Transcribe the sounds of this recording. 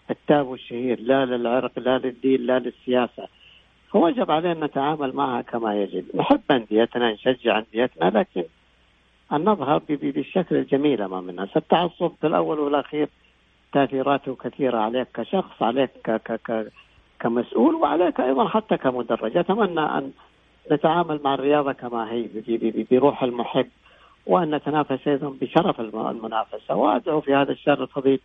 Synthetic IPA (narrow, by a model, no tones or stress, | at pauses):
ʔɪt̪ːaːbwɪʃːahiːɾlalɪlʕɪɾqlalɪd̪ːiːnlalɪsːɪjaːsa | fawad͡ʒɪbʕaleːʔnʔat̪aʕaːmalmaʕhakʰamajad͡ʒɪd̪nħɪbːʔand̪ɪjːat̪nanʃad͡ʒːɪʕʔand̪ɪjːat̪nalaːkɪn | ʔɪnːɨðˤɦɑɾˤbɪbibɪʃːaklɪld͡ʒamiːlʔama̰ːmɪnːasat̪ːɑʕɑsˤːʊbfɪlʔa̰wːalwɪlʔaxiːɾ | t̪aʔθiːɾaːt̪ʊkaθiːɾaʕaleːkːaʃɑxsˤʕa̰leːkːakaka | kamasʔuːlwɪʕa̰leːkʔɑjðˤɑnħat̪ːakamʊd̪ɑrˤːɑ̰d͡ʒʔat̪amanːaʔa̰nː | at̪aʕaːmalmaʕɪrːɪjɑːðˤɑkamaɦiːbbbbbɪɾuːħɪlmʊħɪbː | wʔanːat̪anaːfasʔɑjðˤɑnbɪʃɑɾˤɑfɪl̰lmʊnaːfasawʔa̰d̪ʕufihaːðaʃːɑrˤɪlfɑðˤiːl